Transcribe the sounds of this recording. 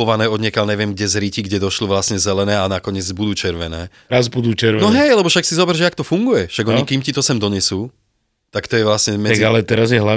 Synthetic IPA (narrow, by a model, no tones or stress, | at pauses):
ɔʋanɛːɔd̪ɲɛkalɲɛʋɪɛmɡɟɛzɾiciɡɟɛd̪ɔʃlɔʋlasɲɛzɛlɛnɛːanakɔɲɪɛd͡zbud̪uːt͡ʃɛɾʋɛnɛ̰ː | ɾazbud̪uːt͡ʃɛɾnɔɦɛjlɛbɔʃaksizɔbɛɾʒɛakt̪ɔfuŋɡujɛʃaɡɔɲikiːmcit̪ɔsɛmd̪ɔɲɛsuː | t̪akt̪ɔjɛʋlasɲɛmɛaɡalɛt̪ɛɾazjɛɦla